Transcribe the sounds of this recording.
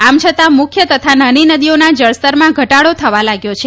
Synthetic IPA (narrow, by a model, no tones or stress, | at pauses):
amt͡ʃʰət̪amʊkʰjət̪ət̪ʰanəninəd̪ionad͡ʒəɭst̪əɾmãɡʱəʈaɽot̪ʰəʋalaɡjot͡ʃʰe